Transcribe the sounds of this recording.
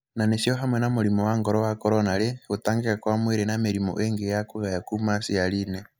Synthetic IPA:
nanesioɦamwɛnamoɾimowaŋɡɔɾɔwakɔɾɔnaɾeɣotaːŋɡekakwamweɾenameɾimo̰ʔeŋɡejakuβajakumasialine

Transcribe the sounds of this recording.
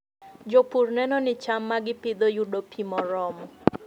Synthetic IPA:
d͡ʒopurnɛnɔnɪt͡ʃamːaɡɪpɪd̪ojudopʰimɔɾɔmɔ

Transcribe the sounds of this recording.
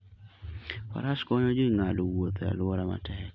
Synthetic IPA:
fa̰ɾaskɔɲɔd͡ʒiŋalowot̪ɾa̰lwɔɾama̰tʰɛ

